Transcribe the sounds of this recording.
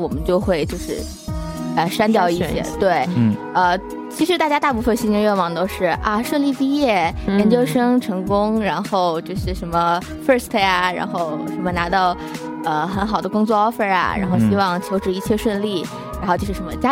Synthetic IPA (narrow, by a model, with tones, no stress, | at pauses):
wɔ˨˩mə˦nt͡ɕjo˥˧ʊxwe˥˧ɪt͡ɕjo˥˧ʊʂɻ̩˥˩ | ə˧˩ʂa˥nt̪jɑ˥˧ʊi˥˩ɕjɛ̰˨˩t̪we˥˩ɪ˩ə˧ | t͡ɕʰi˧˥ʂɻ̩˧˥a˥˩t͡ɕja˥t̪a˥˧p̬u˥˩fə˨˩nɕi˥n˧˥ɥɛ˥˩nwɑ˨˩ŋt̪o˥ʊʂɻ̩˥˩ʔa˧ʂwə˥˧nli˥˧pi˥˧jɛ˥˩jɛ˧˥nt͡ɕjo˥ʊʂɤ˥ŋʈ͡ʂʰɤ˧˥ŋkʊ˥ŋɻa˧˥nxo˥˧ʊt͡ɕjo˥˧ʂɻ̩˥˩ʂə˧˥mə˧ | fə˥˧˩st̪ʰe˥a˩ɻa̰˧˥nxo˥˧˩ʊʂə˧˥nmə˧na˧˥t̪ɑ˥˩ʊ | ə˧xə˧˥nxɑ˨˩ʊd̪ə˦kʊ˥ŋt͡swɔ˥˧ɑ˥ʊfə˥˧a̰˩ɻa̰˧˥nxo˥˧ʊɕi˥wɑ˥˧ŋt͡ɕʰjo˧˥ʊʈ͡ʂɻ̩˧˥i˥˩t͡ɕʰjɛ˥˧ʂwə˥˧nli˥˩ | ɻa˧˥xo˥˧t͡ɕjo˥˧ʂɻ̩˥ʂə˧˥mə˧t͡ɕja˥